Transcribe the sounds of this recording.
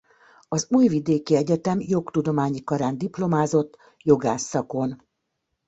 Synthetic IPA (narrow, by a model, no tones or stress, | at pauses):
ɒzuːjvid̪eːkiɛɟɛt̪ɛmjo̞kt̪ud̪o̞maːɲikɒɾaːnd̪iplo̞maːzo̞t̪ː | jo̞ɡaːsːɒko̞n